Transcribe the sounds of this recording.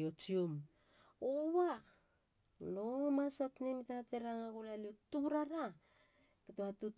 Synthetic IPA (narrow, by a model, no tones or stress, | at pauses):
ot͡ʃium | owa | lomasotnemitateɾaŋaɡulaliutuɾaɾa | ketoatu